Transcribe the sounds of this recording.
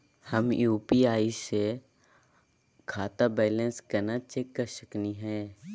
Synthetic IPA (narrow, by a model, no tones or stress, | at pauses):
həmjuːpiaːise | kʰaːt̪abɛːlə̃nskɐɾnat͡ʃekːəɾsəkniɦɛ̃ː